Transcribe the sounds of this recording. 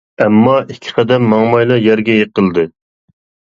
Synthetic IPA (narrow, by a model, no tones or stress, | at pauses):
ɛmːɑʔikʲʰːɪ̥qʰɑd̪ɛɾmːɑŋmɑjlˠɑjɛɾɡʲɛjeqəlˠd̪ɨ